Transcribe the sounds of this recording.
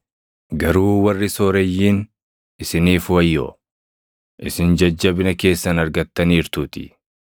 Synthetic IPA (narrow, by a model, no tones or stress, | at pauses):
ɡɐɾuːwɐrːɪsoːɾɛjːiːn | ɪsɪniːfwɐjːo̰ː | ʔɪsɪnd͡ʒɐd͡ʒːɐbɪnɐke̞ːsːɐnɐɾɡɐt̪ːɐniːɾt̪uːt̪ɪ̰